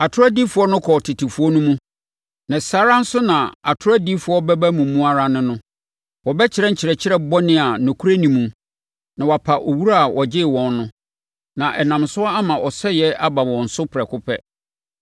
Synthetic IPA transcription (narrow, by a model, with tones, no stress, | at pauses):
a˨tʰʊ˦a˦di˦fʊ˨˦ɔ˦nʊ̃˦kʰɔ˨tʰɪ˨tʰi˨fu˦ɔ˦nũ˦mũ˦ | nã˨saː˨˦ɾa˦n̩˦sʊ˦nã˨a˨tʰʊ˦ɾa˦di˦fʊ˨ɔ˦bɛ˦bæ˦mũ˨˦mũ˦a˦ɾa˦nɪ̃˦nʊ̃˦ | wɔ˨bɛ˦t͡ɕʰɪ˨ɾɛ˦ɲ̩˨t͡ɕʰɪ˨ɾɛ˨t͡ɕʰɪ˦ɾɛ˦bɔ˦nɪ̃˦a˨nʊ̃˨kʰu˦ɾe˦nĩ˨mũ˨ | nã˨wa˨pʰa˨ʔɔ˨wu˦ɾa˦a˨wʔɔ˨d͡ʑɪ˦˨wɔ̃˨nːʊ̃˦ | nã˨ʔɛ˨nã˨msʊ˦ɔ˦a˦mã˨ʔɔ˨sɛ˦jɛ˦ʔa˦ba˨wɔ̃˨n̩˨sʊ˦pʰɾɛ˨kʰʊ˦pʰɛ˦